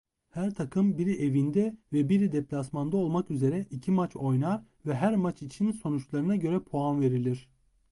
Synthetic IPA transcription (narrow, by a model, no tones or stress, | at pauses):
hæɾt̪ʰakʰɯmbiɾiʔe̞vind̪ɛvɛbiɾid̪ɛplʲasmand̪ao̞lˠmakyze̞ɾɛʔicʰimat͡ʃʰo̞jnaɾ | vɛɦæɾmat͡ʃit͡ʃʰinso̞nut͡ʃlˠaɾɯnaɟø̞ɾɛpʰoanve̞ɾilʲiɾ̥